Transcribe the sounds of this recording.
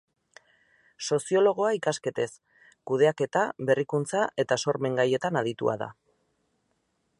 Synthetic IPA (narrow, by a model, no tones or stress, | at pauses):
so̞sio̞lo̞ɣ̞o̞aikaske̞t̪e̞s | kuð̞e̞ake̞t̪aβe̞rikunt͡saʔe̞t̪aso̞ɾme̞ŋɡaje̞t̪anað̞it̪ua̰ða̰